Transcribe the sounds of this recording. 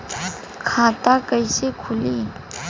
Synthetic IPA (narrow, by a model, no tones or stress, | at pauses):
kʰãt̪akajsekʰuli